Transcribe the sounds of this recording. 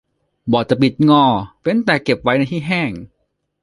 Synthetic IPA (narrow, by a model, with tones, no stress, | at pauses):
bɔː˨˩t̚t͡ɕa˨˩pi˨˩t̪̚ŋɔː˧˩pe˧˨nt̪ɛː˨˩ke˨˩p̚wa˦˥jna˧jt̪ʰiː˥˩ɦɛː˥˩ŋ